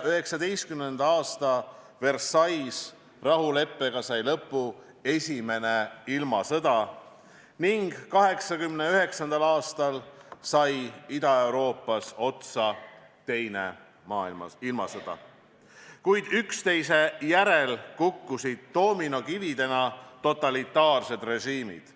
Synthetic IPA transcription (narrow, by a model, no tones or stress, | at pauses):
yɦe̞ksɑd̪e̞jst̪kymnend̪̥ɑɑːst̪ɑ | ve̞rsɑjs | rɑɦule̞pˑːe̞ɡ̥ɑsɑjlɤpːˑu | e̞sʲime̞ne̞ilmɑsɤd̪̥ɑ | niŋɡ̥ːɑɦe̞ksɑkymneyɦe̞ksɑnd̪̥ɑlɑːst̪ɑlsɑjid̪ɑe̞wɾo̞ːpːˑɑso̞t̪sɑ | t̪e̞jne | mɑːḭlmɑ̰ilmɑ̰sɤd̪̥ɑ̰ | kujd̪̥ykst̪e̞jse̞jæɾe̞lkukːusid̪̥t̪ːo̞ːmino̞kivid̪e̞nɑt̪o̞t̪ːˑɑlit̪ːˑɑːrse̞d̪̥re̞ʒiːmḭd̪̥